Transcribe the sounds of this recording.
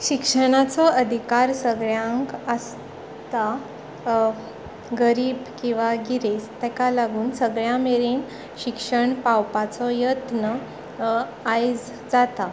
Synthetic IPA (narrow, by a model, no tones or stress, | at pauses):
ɕikʂəɽ̃at͡sɔəd̪ʱikaɾsəɡɭjãŋkəs | t̪a | ɡəɾiːbkĩw̃ʋaɡiɾest̪ɛ̃kalaɡuːnsəɡɭjameɾin | ɕikʂəɳpawpat͡sɔjət̪nə | ajd͡z | d͡zat̪a